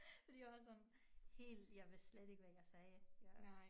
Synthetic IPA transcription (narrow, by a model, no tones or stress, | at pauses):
fɒd̥ḭjɑʋɑsɒ̽n | he̝̰ːld̥jɑ̈ɪʋe̝sled̥e̝ɡ̥əʋæjɑ̈ɪsɛːj